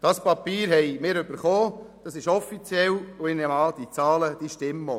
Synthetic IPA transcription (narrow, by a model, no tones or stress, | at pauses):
d̥ɑspɑpiːɾɦɛɪmɪːɾʏb̥əɾχoːd̥ɑsɪʃɔfit͡sjɛlʊɪnɛmɑːld̥̪it͡sɑːləd̥̪iʃtɪmːo